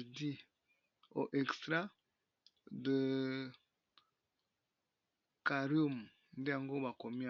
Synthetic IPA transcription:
di˦ | o˨ʔɛ˨kstɾa˦ | də˨ | ka˨ɾjo˦m˨ | n̩˦de˦ja˨ŋɡo˦ba˨ko˨mi˦a˨

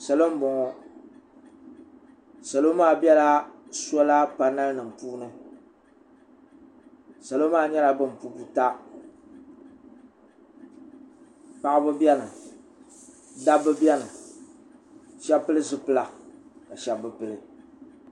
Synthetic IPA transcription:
sa˨lo˦m̩˦bɔ˨ŋɔ˨ | sa˨lo˦maː˦˨bɛ˦la˦sɔ˦la˦pa˦na˦lnɨ˨m̩˨puː˦nɨ˦ | sa˨lo˦maː˦˨ɲɛ˦la˨bɨ˦m̩˨pu˦bu˦ta˦ | pa˦ʔɨ˦bɨ˦bjɛ˦nɨ˨ | da˦bɨ˦bɛ˦nɨ˨ | ʃɛ˦pɨ˦lɨ˦zɨ˦pɨ˦la˨ka˨ʃɛ˦bɨ˨pɨ˨ɾɨ˨

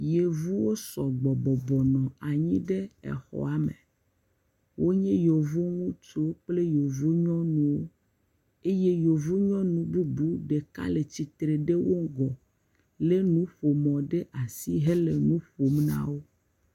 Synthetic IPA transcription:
je˨vu˦wo˦sɔ˨ɡ͡bɔ˨bɔ˨bɔ˨nɔ̃˨a˨ɲĩ˦ɖe˦ɛ̰˨xɔ̰˨a˦mḛ˨ | wʔo˦ɲɛ̃˦jo˨vu˦ŋũ˦t͡ʃo˦k͡ple˦jo˨vu˦ɲɔ̃˦nũ˨wo˦ | e˦je˦jo˨vu˦ɲɔ̃˦nũ˨bu˦bu˦ɖe˨ka̰˦le˨t͡ɕi˨t̪ɾe˨ɖe˦wo˦ɡɔ˨ | le˦nũ˦ɸo˨mɔ̃˨ɖe˦ʔa˨si˦ɦe˦le˨nũ˦ɸo˨m˦nã̰˦wo˦

